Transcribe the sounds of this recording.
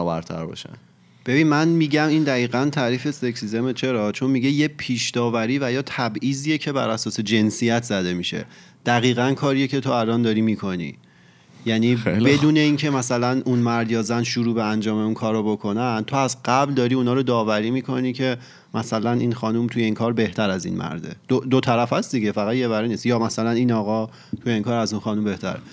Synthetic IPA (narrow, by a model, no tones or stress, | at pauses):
ɔːbæ̰ɾt̪ʰæ̰ɾbɒ̰ːʃæ̰n | b̥e̞biːnmænmiːɟæmiːnd̪æiːɣænt̪ʰæːɾiːfe̞seksise̞met͡ʃʰe̞ɾɒːt͡ʃʰo̞nmiɟe̞jepʰiːʃd̪ɒːvæɾiːvæjɒːt̪ʰæbʔiːziːjecʰe̞bæ̰ɾæsɒːse̞d͡ʒe̞nsijæt̪ʰzæd̪e̞miːʃe̞̰ | d̪̥æɣiːɣænkʰɒːɾije̞cʰe̞t̪ʰoælɒnd̪ɒːɾiːmiːkʰo̞nḭː | jæniːbe̞d̪uːne̞iːncʰe̞mæsælænʔunmæɾd̪jɒːzænʃuɾuːbeænd͡ʒɒːme̞unkʰɒːɾobo̞kʰo̞nænt̪ʰo̞æzɢæbld̪ɒːɾiunɒːɾod̪ɒːvæɾiːmiːkʰo̞niːcʰe̞ | mʔæsælænʔiːnxɒːnumt̪ʰujeiːnkʰɒːɾbe̞ht̪ʰæɾæzḭnmʔæ̰ɾd̪ḛd̪̥od̪ot̪ʰæɾæfæsd̪iɟe̞fæɣæt̪je̞væɾeniːst̪jɒːmæsælæninɒːɣɒː | t̪ʰujeiːŋkʰɒːɾæzunxɒːnumbe̞ht̪ʰæ̰ɾḛ